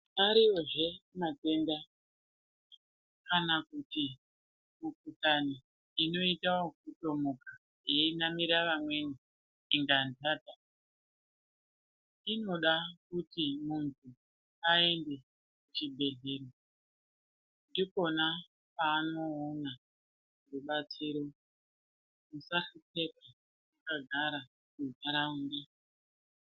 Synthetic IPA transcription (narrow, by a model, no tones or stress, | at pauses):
aɾiwoʐe̞mate̞nda | kanakuti | mukutani | ino̞itaokuto̞muka | jeinamiɾaʋamwe̞niː | ŋɡandaːta | ino̞ɗakutimuntʰu | ae̞nde̞ | kut͡ʃibʱe̞ɮe̞ːɾo | ndiko̞na | paːno̞ːna | ruɓat͡siɾo̞ | musaɬut͡se̞ka | akaɡʱaɾa | kuvaɾauːnde